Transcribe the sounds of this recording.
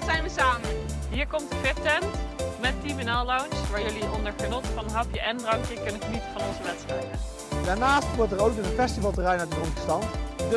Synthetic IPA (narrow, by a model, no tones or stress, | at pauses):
tsɛjnʋəsaːmənɦiːɹkɔmtdəklɪp̚tɛntmɛt̚kimənɛlˠlawnsʋaːɹjɵliʔɔndəɹχənɔtfɑnnɦɑpjəʔɛndrɑŋkjəkɵnənχənitəvɑnɔnzəʋɛtstrɛjdə | daːɹnaːstʋʊɹtəɹowkənəfɛstivɑlˠtərɛjnatdədɔŋtə̥stɑntd